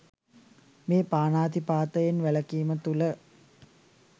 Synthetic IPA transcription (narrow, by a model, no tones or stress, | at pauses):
meːpaːnaːd̪ipaːt̪əjenʋæləkiːmət̪ulə